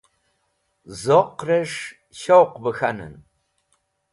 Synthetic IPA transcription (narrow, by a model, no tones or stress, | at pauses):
zoqrɐʂ | ʃɐwqbɐxɐnɨ̰n